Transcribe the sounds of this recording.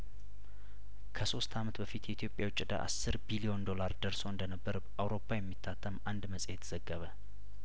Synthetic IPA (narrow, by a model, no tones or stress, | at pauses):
kʰəso̞st̪ʰamət̪bəfit̪jɛit̪ʰjo̞pʼjawt͡ʃʼːɪd̪a̰ʔa̰sːɨɾbilio̞nd̪o̞laɾd̪əɾso̞ɨnd̪ənəbːəɾ | awɾo̞pʰːajɛmːit̪ʰːat̪ʰːəmand̪məsʼhet̪ʰəz̥əɡːəβə